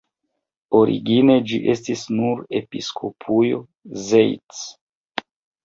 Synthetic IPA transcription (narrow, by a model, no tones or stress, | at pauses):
oɾḭɡine̞d͡ʒiʔe̞stisnuɾepiskʰo̞pʰujo | zejt͡s